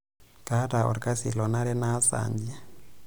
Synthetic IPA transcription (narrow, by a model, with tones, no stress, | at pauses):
ka˦ta˨ɔ̰˨ɾka˦sḭ˨lɔ˨na˦ɾɛ˦na˦sa̰˨ɲd͡ʒi˦